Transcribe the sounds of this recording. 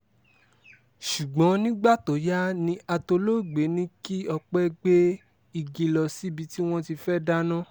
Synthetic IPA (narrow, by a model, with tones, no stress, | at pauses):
ʃu˨ɡ͡bɔ̃˨˦nĩ˦ɡ͡ba˦˨to˨˦ja˦nĩ˧ʔa˧to˧lo˦i˨ɡ͡be˨˦nĩ˦ki˦ɔ˧k͡pɛ˦ɡ͡be˦ | i˨ɡi˨lɔ˨si˦bi˧ti˦w̃ɔ̃˦ti˧fɛ˦da˦nã˦